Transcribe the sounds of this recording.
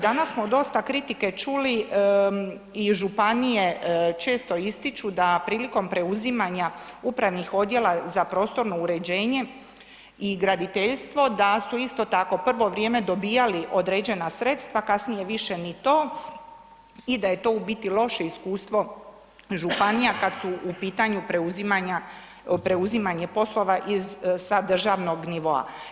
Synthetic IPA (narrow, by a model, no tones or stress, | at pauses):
d̪anasːmo̞d̪o̞st̪akɾit̪ike̞t͡ʃuli | iʒupanije̞t͡ʃe̞ːst̪o̞ist̪it͡ʃud̪apɾiːliko̞mpɾe̞uzimaɲaupɾaʋnixo̞d̪je̞lˠazapɾo̞ːst̪o̞ɾno̞uɾe̞d͡ʑe̞ːɲe̞ | iɡɾad̪it̪e̞ʎst̪ʋo̞d̪asuist̪o̞t̪ako̞pr̩ʋo̞ʋɾje̞ːme̞d̪o̞biːjaliʔo̞d̪ɾed͡ʑe̞nasɾe̞t̪st̪ʋakasnije̞ʋiʃe̞nit̪o̞ː | id̪aje̞t̪o̞ubit̪ilˠo̞ʃe̞iskuːst̪ʋo̞ | ʒupanijakad̪suʔupiːt̪aɲupɾeuzimaɲa | pɾe̞uzimaɲe̞po̞slo̞ʋaʔizsad̪r̩ʒaʋno̞ɡniʋo̞a̰